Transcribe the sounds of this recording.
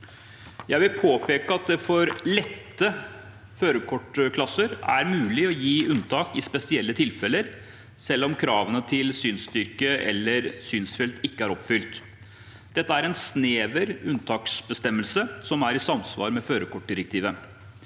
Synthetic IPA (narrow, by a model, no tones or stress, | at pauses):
jæɪʋɪlpʰoːpeːkəɑt̪̚d̪ɛfɔɾlɛt̪ːə | føːɾəkʰɔʈːkʰlɑsəɾæ̰ɾmʉːlɪɔjiːʉnt̪ʰɑːkɪspɛsɪɛlːət̪ʰɪlfɛlːəɾ | sɛlːɔmkʰɾɑːʋənət̪ʰɪlsyːnst̪ʏɾkəʔɛ̰lːəɾsyːnsfɛlt̪ɪkːəæɾɔpfʏlt̪ | d̪̥ɛt̪ːəæɾɛnsneːʋəɾʉnt̪ʰɑːksbəst̪ɛmːəlsəsɔmæɾɪsɑmsʋɑ̰ːɾmɛføːɾəkʰɔʈ̚ɖɪɾɛk̚t̪ʰiːʋə